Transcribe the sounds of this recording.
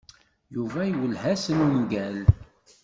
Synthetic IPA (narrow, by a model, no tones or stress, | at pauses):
juvæjwəlhæsənumɡæl